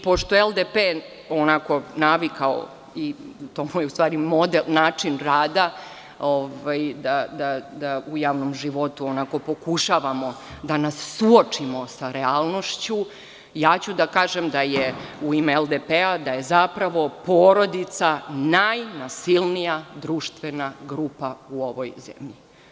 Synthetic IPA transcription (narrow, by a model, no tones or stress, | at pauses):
po̞ʃt̪ojeelˠd̪epe | onako̞naʋikʰao̰ | it̪omujeust̪ʋaːɾimod̪elnaːt͡ʂinɾaːd̪a | oʋajd̪ad̪ad̪aujaːʋnomʒiʋo̞t̪uonako̞po̞kuʃaʋamo̞d̪anasːuot͡ʂimo̞saɾeaːlˠno̞ʃt͡ɕu | jaːt͡ɕud̪akaːʒemd̪ajeuimeeld̪epead̪aje̞zapɾaʋo̞poːɾo̞d̪it̪sanajnasilnijad̪ɾuːʃt̪ʋe̞naɡɾuːpauoʋo̞jzḛmʎi